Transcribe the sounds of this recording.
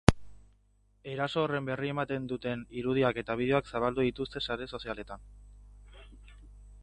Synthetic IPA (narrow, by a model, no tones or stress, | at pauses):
e̞ɾaso̞ːre̞mbe̞rie̞mat̪e̞nd̪ut̪e̞niɾuðiake̞t̪aβ̞ið̞e̞oaksaβ̞ald̪uðit̪ust̪e̞saɾe̞so̞siale̞t̪an